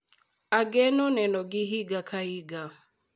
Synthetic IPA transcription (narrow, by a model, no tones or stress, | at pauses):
aɡɛnɔnɛnɔɡɪɦiɡakʰaiɡa